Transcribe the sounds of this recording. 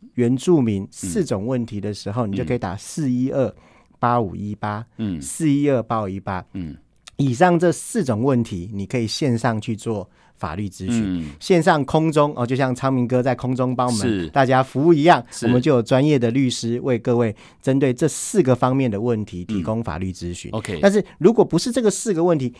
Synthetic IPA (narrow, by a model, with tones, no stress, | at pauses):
ɥɛ˧˦˥nʈ͡ʂu˥˩mi˨˦nsɹ̩˥˩ʈ͡ʂʊ˨˩ŋwə˥˩nt̪ʰi˨˥d̪ə˨ʂɻ̩˧˥xo˥˧ni˨˩t͡ɕjo˥˩˨kʰi˨˩t̪a̰˨˩sɹ̩˥˩i˥ə˥˩ | pa˦˥ṵ˨˩i˦˥pa˥sɹ̩˥˧i˦˥ə˥˩pa˥˨i˦˥pa˦˥ | i˨˩ʂɑ˥˧ŋʈ͡ʂɤ˥˧sɹ̩˥˩ʈ͡ʂʊ˨˩ŋwə˥˩nt̪ʰi˨˥˦ni˨˩kʰɤ˧˥i˨˩ɕjɛ˥˧nʂɑ˥˧ŋt͡ɕʰy˥˧t͡swɔ˥˩ | fa̰˨˩ly˥˩ʈ͡ʂɻ̩˦t͡ɕy˥˨ɕjɛ˥˧nʂɑ˥˩ŋkʰʊ˥ŋʈ͡ʂʊ˥ŋʔɔ˧t͡ɕjo˥˧ɕjɑ˥˩ŋt͡sʰɑ˥ŋmi˧˥ŋk̬ɤ˥t͡sa˥˩ɪkʰʊ˥ŋt͡sʊ˦ŋpɑ˥ʊ˨ə˨˦t̪a˥˩t͡ɕja˦fu˧˥u˥˩i˧˥jɑ˥˩ŋwɔ˨˩mə˦nt͡ɕo˥˩jo˨˩ʊʈ͡ʂwa˦njɛ˥˩d̪ə˩ly˥˩ʂɻ̩˥we˥˧ɪkɤ˥˧we˥˩ɪ | ʈ͡ʂə˦nt̪we˥˩ɪʈ͡ʂɤ˥˧sɹ̩˥˩ɡə˩fɑ˥ŋmjɛ˥˩nd̪ə˩wə˥˨˩nt̪ʰi˨˦t̪ʰi˧˥ko˦ŋfa̰˨˩ly˥˩t͡sɹ̩˥˦ɕy̰˨˦n˧a˥˧nʂɻ̩˥˩ɻu˧˥kwɔ˨˩pu˧˥ʂɻ̩˥˧ʈ͡ʂɤ˥˩ɡə˨˩sɹ̩˥˩ɡə˨wə˥˩nt̪ʰi˨˦